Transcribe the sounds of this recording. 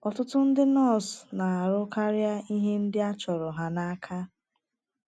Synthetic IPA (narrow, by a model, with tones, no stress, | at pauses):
ɔ˨tʊ˦tʊ˦n̩˦dɪ˦nɔ˦˨sna˨a˨ɾʊ˦ka˦ɾa˦i˦ɦe˦n̩˦dɪ˦a˦t͡ʃɔ˨ɾɔ˨ɦa˨na˦a˦kʰa˦